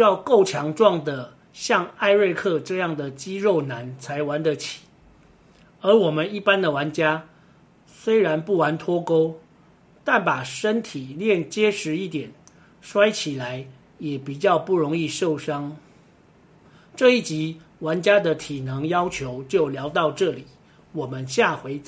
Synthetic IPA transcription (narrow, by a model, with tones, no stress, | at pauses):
y˥jɑ˥˧ʊko˥˩ʊt͡ɕʰjɑ˧˥ŋʈ͡ʂwɑ˥˩ŋd̪ə˨˩ | ɕjɑ˥˧ŋa˥˧ɪɻe˥˧ɪkʰɤ˥˧ʈ͡ʂɤ˥˧jɑ˥˩ŋd̪ə˩t͡ɕi˦ɻo˥˩ʊna˨˧˦nt͡sʰa˧˥ɪwa˧˦nd̪ə˨t͡ɕʰi̥˨˩˦ | ə˞˨˧˥wɔ˨˩mə˨˦ni˥˩pa˥nd̪ə˨wa˧˦nt͡ɕja˥ | swe˥ɪɻa˧˦npu˥˩wa˧˦nt̪ʰwɔ˥ko˥ʊ | t̪a˥˩npa˨˩ʂə˥nt̪ʰi˨˩ljɛ˥˩nt͡ɕjɛ˥ʂɻ̩˧˦i˥˩t̪jɛ˨˩n | ʂwa˥ɪt͡ɕʰi˨˩la˨˦ɪ | jɛ˨˩pi˨˩t͡ɕjɑ˥˧ʊpu˥˩ɻʊ˧˥ŋi˥˧ʂo˥˩ʊʂɑ˥ŋ | ʈ͡ʂɤ˥˧i˥˩t͡ɕi˧˥˦ | wa˧˥nt͡ɕja˥d̪ə˨t̪ʰi˨˩nɤ˧˥ŋjɑ˥ʊt͡ɕʰjo˧˦ʊt͡ɕjo˥˩ʊljɑ˧˥ʊt̪ɑ˥˧ʊʈ͡ʂɤ˥˩li˨˩˦ | wɔ˨˩mə˦nɕja˥˨xwe˧˥ɪt͡s